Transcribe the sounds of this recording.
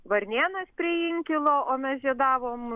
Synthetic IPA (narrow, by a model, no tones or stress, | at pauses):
ʋɐɾʲnʲeːnɐspʲɾʲɪjɪŋʲkʲɪlˠoːʔoːmʲɛsʒʲiɛd̪ɑːʋoːm